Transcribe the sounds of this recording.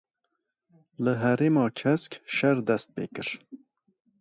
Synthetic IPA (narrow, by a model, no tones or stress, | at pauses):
ləɦɛɾeːmɑːkʰɛskʃɛɾd̪ɛst̪̚pḛːkɨɾ